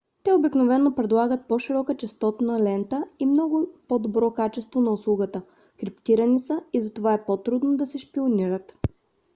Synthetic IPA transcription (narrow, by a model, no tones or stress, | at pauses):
t̪ɛobiknovɛnːopɾɛd̪lˠaɡət̪̚pɔʃiɾɔkət͡ʃɛst̪ɔt̪nɐlɛnt̪əimnɔɡʊpɔd̪obɾɔkat͡ʃɛst̪vonɐʊslˠuɡət̪ə | kɾipt̪iɾənisəizɐt̪ovaɛpot̪ɾud̪nod̪ɐsɛʃpioniɾət̪